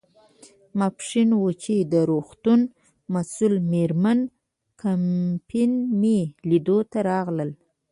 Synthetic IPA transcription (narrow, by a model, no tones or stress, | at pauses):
mapʂinwot͡ʃid̪əɾoxt̪un | masulmeɾman | kʰampʰinmelid̪ot̪aɾɑɣləl